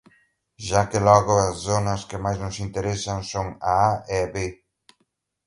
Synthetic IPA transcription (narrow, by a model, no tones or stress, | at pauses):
ʃakɪlɔɣʊɐsθonɐskɪmajznʊsint̪eɾesɐŋsoŋaaɛaβe